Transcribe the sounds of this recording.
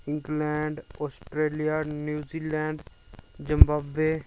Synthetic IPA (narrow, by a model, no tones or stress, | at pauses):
ɪ̃ŋɡlɛ̃ːɳɖɔːsʈɾeːlijaːnjuːziːlɛ̃ːɳɖ | d͡ʒɪmbaːbeː